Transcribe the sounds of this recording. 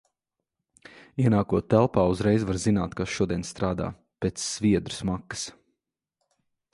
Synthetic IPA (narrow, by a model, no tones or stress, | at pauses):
iɛnaːkuɔt̪ːælˠpaːuzɾɛjzvaɾzinaːt̪kasʃuɔd̪iɛnst̪ɾaːd̪a̰ː | peːt̪sːvʲiɛd̪ɾu̥smakːə̥s